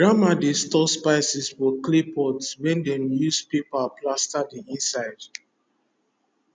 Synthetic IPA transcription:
ɹamadestɔspaɪsiswɔklepʰɔdswɛ̃ndɛmnjuspepaplastadiĩnsaɪd

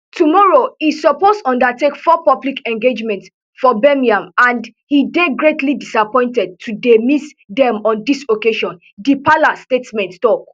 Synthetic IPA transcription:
tumɔɹoisɔpostɔ̃ndatekfɔpɔblikɛ̃ŋɡed͡ʒmɛ̃nts | fɔbɛmiãmãnd | hideɡɹetʰlidisapɔ̃ɪ̃ntɛd̚tʰudemis | dɛ̃mɔ̃ndisokeʃɔ̃n | dipalastetmɛ̃nttɔk

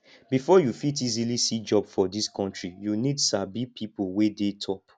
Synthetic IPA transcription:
bifɔjufit̬izilisid͡ʒɔbfɔdiskʰɔ̃ntɹijunidsabipʰipowedetʰɔp

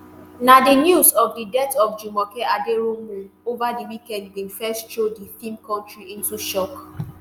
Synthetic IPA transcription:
nadinjusɔfdidɛtɔfd͡ʒumɔkeʔadeɾomeovadiwikɛ̃nd̚wifɛstʃodiθĩmkɔ̃ntɹiĩntuʃɔk

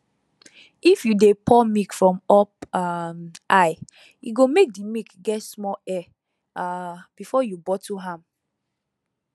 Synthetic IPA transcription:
ifjudepʰɔmikfɹɔ̃mɔp̚amʔaɪ | ṵɡomek̚dimikɡɛtsmɔɛ | ab̥ifɔjubɔtʰuɦãm

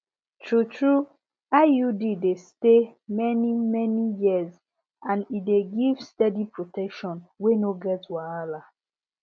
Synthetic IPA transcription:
tʰɹutɹu | ajudidestemɛnimɛnijiəz | ãnideɡivstɛdipʰɹotɛkʃɔ̃nwenoɡɛtwaɹala

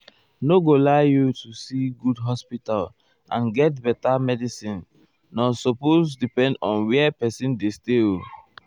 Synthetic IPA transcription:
noɡolaɪjutusiɡudɦɔspital | ʔãnɡɛt̚bɛtamɛdisĩnː | ɔsɔposdipɛ̃ndɔ̃nwiɛpɛsĩndesteo

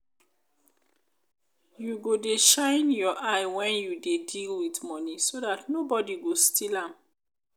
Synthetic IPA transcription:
juɡodeʃãɪnjɔʔaɪwɛ̃njudedilwitmɔnisodatnobɔdiɡostilãm

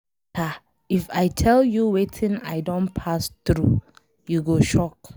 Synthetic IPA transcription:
ta | ifaɪtʰɛljuwetʰɪ̃naɪdõnpʰastɹu | juɡoʃɔk

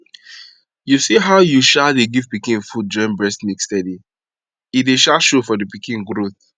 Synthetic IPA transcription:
jusiɦaʊjuʃadeɡiv̥pikĩnfud͡ʒɔ̃nbɹɛsnikstɛdi | ideʃaʃofɔdipikĩnɡɾoθ

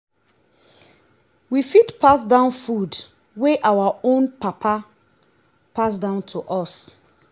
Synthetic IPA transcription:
wifitpʰas̬dãʊ̃nfud | weʔawaõnpapʰa | pas̬dãʊ̃ntʰuʔɔs

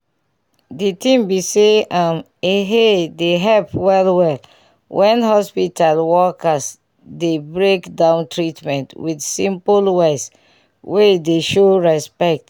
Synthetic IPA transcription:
ditĩmbiseãm | eɦedeɦɛlpwɛlwɛl | wʔɛ̃nhɔspitalwɔkas | debɹekdãʊ̃ntʰɹitmɛ̃ntwidsĩmpulwes | wedeʃoɹɛspɛk̚t

